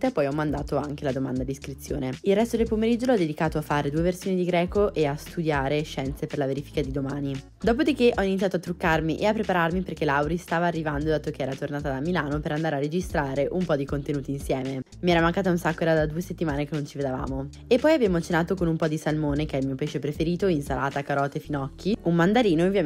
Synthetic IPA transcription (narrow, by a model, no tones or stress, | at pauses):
t̪apːɔjɔmːand̪aːt̪oaŋk̟elad̪omand̪ad̪iskɾit̪sːjo̰ːneilrɛst̪od̪elpomeɾid͡ʒːolɔd̪ːed̪ikaːt̪oafaːɾed̪uːeversjoːnid̪iɡɾɛːkoʔeast̪ud̪jaːɾeʃɛnt̪seperlaveɾiːfi̥kad̪id̪omaːni | d̪ɔːp̬od̪ik̟eʔɔinit̪sijat̪oat̪ːɾukːarmiʔeapːɾepaɾarmiperk̟elawɾist̪aːvaːrːivand̪od̪aːt̪okeɛːɾat̪ornaːt̪ad̪amilaːnopeɾand̪aːɾearːed͡ʒist̪ɾaːɾeʔumpɔd̪ikont̪enuːt̪iːnsjɛːmemiɛɾamaŋkaːt̪̬aunsakːoɛɾad̪ad̪uːeset̪ːimaːnekenːont͡ʃived̪ava̰ːmo | epːɔjabjaːmot͡ʃenaːt̪okonumpɔd̪isalmoːnekeɛlmiːopeʃepɾefeɾiːt̪oinsala̰ːt̪akaɾɔːt̪efinɔkʰːiummand̪aɾiːnoovːja